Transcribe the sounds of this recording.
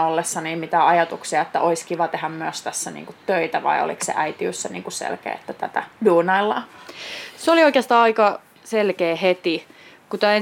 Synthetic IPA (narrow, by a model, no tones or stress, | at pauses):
olːesːɑniːmmit̪æɑjɑt̪uksiɑet̪ːæʔoiskiʋɑt̪eɦæmmyøst̪æsːænḭːŋkut̪tøit̪æʋɑ̰io̰lḭksḛʔæit̪iø̰sːænḭːŋkussḛlkḛːet̪ːæt̪æt̪æduːnɑilːɑː | seolioikeɑst̪ɑːɑikɑ | selkeːhet̪i | kut̪æːe